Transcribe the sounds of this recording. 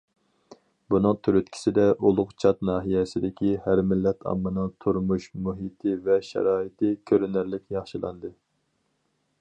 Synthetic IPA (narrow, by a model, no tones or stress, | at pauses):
bunɨŋt̪ʰyɾyt̪̚kʲʰi̥sɪd̪ɛʔulˠʊqt͡ʃʰɑt̪nɑːɦijɛsɪd̪ɪkʲihæɾmɪlːɛt̪ʰɑ̰mːɨnɨŋt̪ʰuɾmuʃmuɦit̪ʰɪvɛʃɛ̰ɾɑːit̪ʰɪkʲʰøɾynæɾlɪkʲjɑχʃɨlˠɑ̰nd̪ɨ